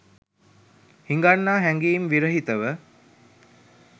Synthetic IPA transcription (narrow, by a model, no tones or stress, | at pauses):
hiŋɡanːaːɦɛŋɡiːmʋiɾəɦit̪əʋə